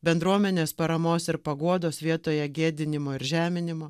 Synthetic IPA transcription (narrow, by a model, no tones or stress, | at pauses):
bʲɛnd̪ɾuɔmʲɛnʲeːspɐɾɐmoːsɪɾpɐɡuɔd̪oːsʋʲiɛt̪oːjɛɡʲeːd̪ʲɪnʲɪmoːɪɾʒʲæːmʲɪnʲɪmoː